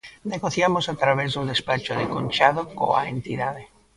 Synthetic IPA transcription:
neɣoθjamosat̪ɾaβezðud̪espat͡ʃoðeko̰nt͡ʃaðoko̰a̰ḛnt̪iðaðe

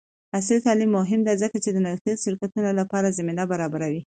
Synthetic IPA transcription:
as̬lit̪ɑlimːʊɦɪmd̪azəkat͡ʃed̪ənat̪iʃɪɾkat̪unolapɑɾazaminabaɾɑbaɾawi

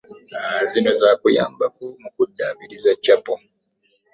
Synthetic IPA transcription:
aazino̞zaːkuja̰ːmbak̚umukudːaːβiɾizacːapo

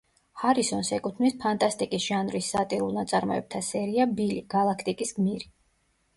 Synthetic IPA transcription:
haɾisɔnsɛkʼut̪ʰnispʰant̪ʼast̪ʼikʼisʒ̥anvɾisːat̪ʼiɾulˠnat̪sʼaɾmɔ̰ɛb̚t̪ʰasɛɾiabiliɡ̥alˠakʰt̪ʼikʼisɡmiɾi

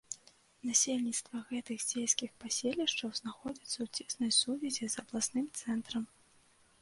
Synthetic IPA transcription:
nasʲelʲnʲit̪st̪vɐɣɛt̪ɨɣd͡zʲejsʲkʲixpasʲelʲiʂt͡ʂɐwznaxɔd͡zʲit̪sɐwt͡sʲisnɐjsuvʲɛzʲizɐblˠasnɨmt̪sɛnt̪ɾɐm

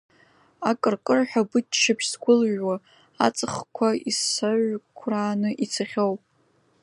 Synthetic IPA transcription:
akʼɨrkʼɨrħʷᶣabɨtʃapʰʃsɡʷʊlʒwa | a̰t͡sʼɨχkʷʰaḭsaɥʷkʷʰraːnɨʔit͡sʰaχʲowpʼ

